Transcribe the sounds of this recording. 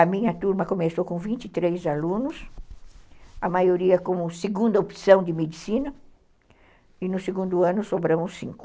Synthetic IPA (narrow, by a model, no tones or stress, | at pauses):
ɐmĩɲɐt̪uɾmɐkomesowkõvĩnt͡ʃ̪it̪ɾejzalũnʊs | ɐmajoɾiɐkõmʊseɡũnd̪ɐopsɐ̃w̃d̪ɪmed̪isĩnɐ | ɪnʊseɡũnd̪ʊɐ̃nʊsobɾɐ̃mʊsːḭ̃ŋkʊ̥